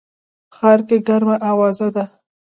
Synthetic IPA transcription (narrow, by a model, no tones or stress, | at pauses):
xɑɾkeɡaɾmaʔawɑzad̪a